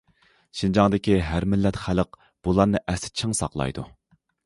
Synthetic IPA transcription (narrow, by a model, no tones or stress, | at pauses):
ʃind͡ʒɑŋd̪ɪkʲiɦæɾmɪlːɛt̪χæləq | b̥ulˠɑɾnɨʔɛsɪ̥t͡ʃʰiŋsɑqlˠɑ̰jd̪ṵ